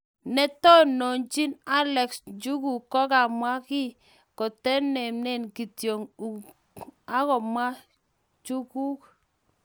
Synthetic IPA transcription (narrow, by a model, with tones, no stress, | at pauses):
nɛ˦tɔ˦nɔ˨ɲt͡ʃi˦na˦lɛ˨ksd͡ʒu˦ku˨kɔ˦ka˨mwa˦ki˦ | kɔ˨tɛ˦nɛ˨mnɛ˦˨nki˨tjo˨ŋu˨ | a˦kɔ˨mwa˦ | t͡ʃu˦ku˦k